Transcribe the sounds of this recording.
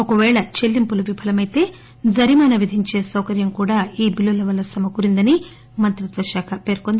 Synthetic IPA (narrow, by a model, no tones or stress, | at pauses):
okɐʋɛːɭɐt͡ʃe̞lːimpuluʋipʰɐlɐmɐjt̪e̞ː | d͡ʒɐɾimaːnɐʋid̪ʱiɲt͡ʃe̞ːsɐwkɐɾjɐmkuːɽaːiːbilolːɐʋɐlːɐsɐmɐkuɾind̪ɐni | mɐnt̪ɾɐt̪ʋɐʃaːkʰɐpe̞ːɾkond̪i